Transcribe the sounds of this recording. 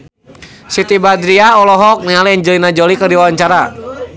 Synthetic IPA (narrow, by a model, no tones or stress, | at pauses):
sit̪ibad̪ɾiaɔlɔɦɔk̚nialiɛɲd͡ʒɔlinad͡ʒɔlikərdiwawaɲt͡ʃaɾa